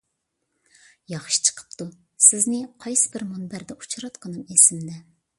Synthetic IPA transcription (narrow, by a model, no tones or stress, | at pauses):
jɑχʃi̥t͡ʃʰə̥qʰə̥pt̪ʰu | sɪznɪqʰɑjsɨ̥bɪɾmunbæɾd̪ɛʔut͡ʃʰɾɑt̪qʰənɨmesɪmd̪ɛ